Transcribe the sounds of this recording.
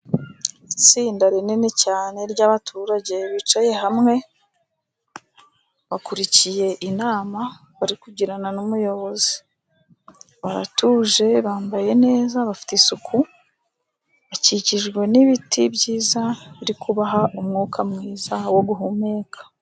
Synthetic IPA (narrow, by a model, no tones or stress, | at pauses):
it͡siːndaɾeninecaːne̞ɾɟaβatʰuːɾaɟe̞βit͡ʃaje̞ɦamŋe̞ | βakuɾicije̞ʔinaːma | βaɾikuɟiɾananumujo̞βo̞zi̥ | βaɾa̰tuːʒe̞βaːmbaje̞ne̞ːzaβafi̥tesuku | βaciciʒɡwe̞niβitʰibɟiːzaβiɾikuβaɦaʔumŋuːkʰamŋiːzawo̞ɡuɦume̞ːkʰḁ